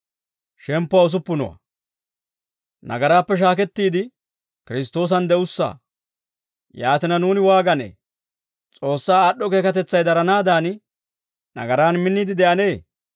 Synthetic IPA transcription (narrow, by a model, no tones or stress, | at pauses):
ʃɛmpːʊwɐʊs̬ʊpːʊnɔ̰wɐ̰ | nɐ̰ɡɐɾaːpːɛʃ̬aːkɛt̪ːiːd̪ɪ | kɪɾɪs̬t̪o̞ːs̬ɐnd̪ɛʊsːa̰ː | jaːt̪ɪnɐnuːnɪwaːɡɐnḛː | t͡sʼo̞ːsːaːɗːɔke̞ːkɐt̪ɛt͡sːɐjd̪ɐɾɐnaːd̪aːn | nɐ̰ɡɐɾaːnmɪnːid̪ɪd̪ɛʔɐneː